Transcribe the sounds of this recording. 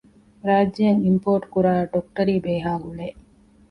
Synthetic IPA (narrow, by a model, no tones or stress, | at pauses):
ɾaːd͡ʒːɐjɐŋimpoːɾʈkuɾaːɖok̚ʈɐɾiːbeːɦaːɦuleː